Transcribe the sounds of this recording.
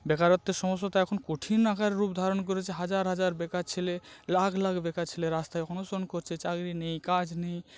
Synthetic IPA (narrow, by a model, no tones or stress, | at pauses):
bɛkaɾot̪ːeɾʃɔmosːot̪aɛkʰonkoʈʰinːakaɾːupd̪ʱaɾonk̬oɾet͡ɕʰeɦad͡ʑaɾɦad͡ʑaɾbɛkat͡ɕʰelelaɡlaɡbekat͡ɕʰeleɾast̪aeɔnusonkoɾt͡ɕʰet͡ɕaɡɾinejkad͡ʑnej